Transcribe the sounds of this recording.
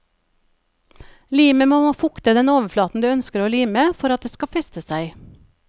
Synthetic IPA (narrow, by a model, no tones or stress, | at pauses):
liːməmoːfʊkt̪əd̪ɛnoːʋəflɑːt̪n̩d̪ʉːœnskəɾoːliːməfɔɾɑt̪̚d̪eːskɑfɛst̪əsæɪ